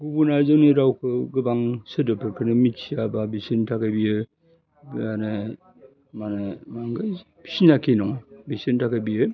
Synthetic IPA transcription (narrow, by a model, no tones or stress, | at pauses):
ɡubunazɯniɾawkʰɯɡɯbaŋsɯdɯpʰɯɾkʰɯnɯmitsijababisintʰakʰabijɯ | banɯ | manɯmaŋɡɯ | bi̥sinakʰenɔŋbisintʰakʰabijɯ